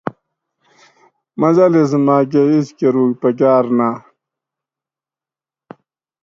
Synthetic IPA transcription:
mɐzɐles̬maːk̬eiskeɾuːkpɐk̬aːɾnaː

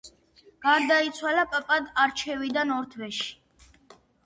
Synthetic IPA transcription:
ɡ̥aɾd̪ait̪sʰwalapʼapʼad̪aɾt͡ʃʰɛvid̪anɔɾt̪ʰvɛʃi̥

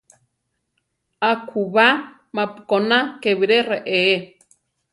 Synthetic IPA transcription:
akʰuβa | mãpu̥konakeβiɾereʔee

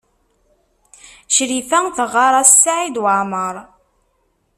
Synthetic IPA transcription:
ʃɾiθæŋθəʁːɑɾˤɑssːaʕid̪wəʕməɾˤ

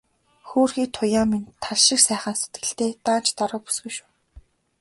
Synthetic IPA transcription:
xoːrxiːk̚t̪ʰʊjaːmint̪ʰaɮʃɪ̆ksæːχaːnset̪ɡɘ̆ɬt̪eːt̪aːn̥t͡ɕt̪ɔɾʊ̆ːpu̥sɡɵ̆ʃu̥ː

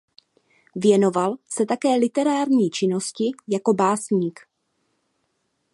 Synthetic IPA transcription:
vjɛno̞valsɛt̪akɛːlɪt̪ɛɾaːɾɲiːt͡ʃɪno̞scɪjako̞baːsɲiːk

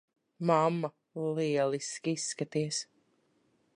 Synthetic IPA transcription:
mamːa | liɛlˠiskisːkat̪iɛs

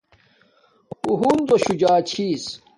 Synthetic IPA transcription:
huɦund̪oɕud͡ʑaːt͡ɕʰis

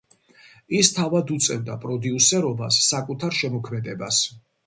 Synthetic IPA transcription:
ist̪ʰavad̪ut̪sʼɛvd̪apʼɾɔd̪iusɛɾɔbasːakʼut̪ʰaɾʃɛmɔkʰmɛd̪ɛba̰s

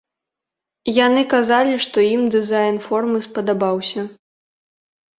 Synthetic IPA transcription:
janɨkazalʲiʂt̪ɔimd̪ɨzajnfɔrmɨspɐd̪abawsʲɐ

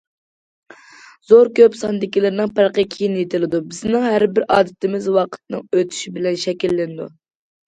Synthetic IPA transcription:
zoɾkʲøpsɑnd̪ɪkʲilɪɾnɨŋpʰæɾqəkʲʰijinjet̪ʰɪlɪd̪ubɪznɪŋɦæɾbɪɾɑːd̪ɨt̪ʰɪmɪzwɑqʰə̥t̪̚nɨŋøt̪ʰy̥ʃibɪlɛnʃɛkʲilːɪnɪd̪ṵ

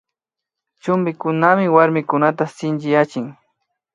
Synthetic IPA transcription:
t͡ʃʊmbɪkʊnamɪwaɾmɪkʊnat̪asɪnt͡ʃɪjat͡ʃɪŋ

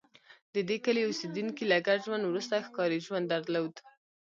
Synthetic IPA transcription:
d̪əd̪ekəleosed̪unkilaɡaɾʒwand̪wɾust̪axkɑɾiʒwand̪ːaɾlawd̪

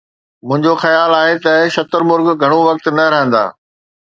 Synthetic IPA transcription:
mʊ̃ɦɪ̃ɲd͡ʑoxɐjaːlaːɦet̪ɐʃɐt̪əɾmʊɾɡɡʱɐɽ̃oʋɐk̚t̪nɐɾɐɦə̃n̆d̪a̰ː

